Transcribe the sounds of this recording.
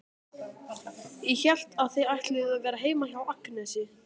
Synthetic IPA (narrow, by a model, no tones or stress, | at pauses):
ɛçɛl̥t̪aðθejajht̪lɪɣavɛːɾaɦeːjmaçjawaknɛsɪ